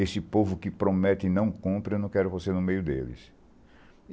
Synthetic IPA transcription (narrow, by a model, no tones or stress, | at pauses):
esɪpovʊkɪpɾomɛt̪ɪɪnɐ̃w̃kõpɾɪewnɐ̃w̃kɛɾʊvosenʊmejʊd̪ḛlɪ̰s